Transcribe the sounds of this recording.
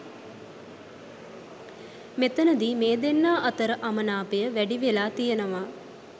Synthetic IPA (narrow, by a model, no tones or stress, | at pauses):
met̪ənəd̪imeːd̪enːaːʔɐt̪əɾəʔamənaːpejəʋæɖiʋelaːt̪ijənəʋaː